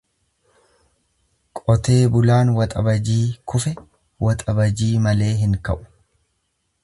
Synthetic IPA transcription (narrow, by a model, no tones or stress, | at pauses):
kʼɔt̪e̞ːbʊlaːnwɐt̪ʼɐbɐd͡ʒiːkʰʊfɛ | wʔɐt̪ʼɐbɐd͡ʒiːmɐle̞ːɦɪŋkɐ̰ʔʊ̥